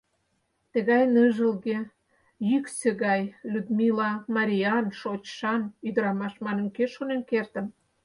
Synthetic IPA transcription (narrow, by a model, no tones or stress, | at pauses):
t̪ə̆ɣɑjnəʒəlɣe | jykseɣɑjlʲud̪milɑmɑɾʲiɑnʃot͡ɕʃɑnyd̪əɾɑmɑʃmɑnə̆nkeʃonenkert̪ə̆m